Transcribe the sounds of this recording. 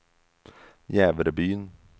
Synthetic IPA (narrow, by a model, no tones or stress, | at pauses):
jæːʋɾəbyːən